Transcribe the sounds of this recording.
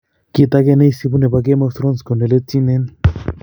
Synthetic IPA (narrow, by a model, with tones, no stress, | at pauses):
ki˦t̪a˦ke˦ne˦jsi˦pu˦ne˨pa˨k̬e˦mo˦st̪ɾo˦nsko˨ne˨le˦t̪ːi˦ne˦n